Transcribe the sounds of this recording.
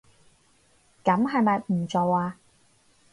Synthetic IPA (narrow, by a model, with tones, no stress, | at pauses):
kɐ˨˥mɦɐ˨jmɐ˨jm̩ː˨˩t͡so˨waː˧